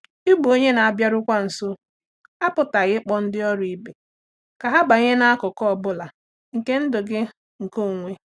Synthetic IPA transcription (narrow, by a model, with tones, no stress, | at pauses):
i˦ɡ͡bu˨o˦ɲe˦na˨a˨bja˦ɾʊ˦kʷa˦n̩˨so˦ | a˦pʊ˨ta˨ɣɪ˦k͡pɔ˦n̩˦dɪ˦ɔ˦ɾi˨be˨ | ka˨ɦa˦ba˨ɲe˦na˦kʊ˨kɔ˦˨bʊ˦la˨ | ŋ̩˨ke˦n̩˦dʊ˨ɡɪ˦ | ŋ̩˨ko˦˨ŋʷe˦